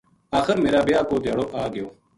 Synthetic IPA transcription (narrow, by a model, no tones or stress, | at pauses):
aːxəɾmeːɾaːbɪjaːkoːd̪jaːɽoːʔaːɡɪjoː